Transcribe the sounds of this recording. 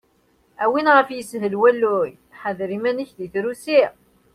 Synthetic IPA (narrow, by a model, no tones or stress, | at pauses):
æwinʁəfjəsɦəlwælːʊj | ħəðɾimæniçðiθɾusi